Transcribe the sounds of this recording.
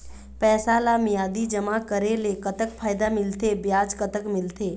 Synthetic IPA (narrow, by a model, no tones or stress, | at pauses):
pɛːsalamɪjaːd̪id͡ʒəmakəɾelekət̪əkpʰaːjd̪amɪlt̪ebjaːd͡ʒkət̪əkmɪlt̪eː